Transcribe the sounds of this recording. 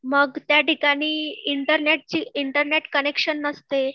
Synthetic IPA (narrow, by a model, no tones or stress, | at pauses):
məɡt̪jaʈikaɽ̃iːiɳʈəɾneʈ̚t͡ɕiːiɳʈəɾneʈkənekʂənːəst̪e